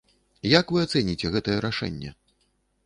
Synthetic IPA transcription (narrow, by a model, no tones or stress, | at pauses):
jakvɨat̪sɛnʲit͡sʲɛɣɛt̪ɐjɛɾaʂɛ̰nʲːɛ̰